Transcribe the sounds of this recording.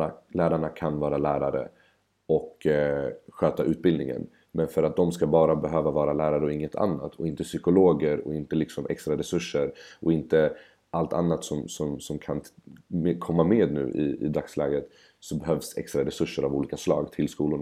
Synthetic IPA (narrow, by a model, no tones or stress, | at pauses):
alæːɾaɳakʰanvɑːɾalæːɾaɾə̰ | ɔk | ɧøːt̪aʔʉ̟ːt̪̚bɪld̪nɪŋə̰n | mɛnfœɾat̪̚d̪ɔmskabɑːɾabɛɦøːvavɑːɾalæːɾaɾəɔɪŋːət̪ʰa̰nːa̰t̪ʰɔɪnt̪əsʏkʊloːɡəɾɔ̰ɪnt̪əlɪksɔmʔɛ̰kst̪ɾaɾɛsɵʂːəɾɔɪnt̪ə | alt̪ʰa̰nːat̪sɔmsɔmsɔmkʰan | kʰɔmːameːd̪nʉ̟̰ːʔɪ̰ɪ̰d̪ɾakslɛːɡɾət̪ | sɔbɛɦœvsɛ̰kst̪ɾaɾɛsɵʂːəɾavuːliːkaslɑ̰ːɡt̪ʰɪlskuːlʊɳ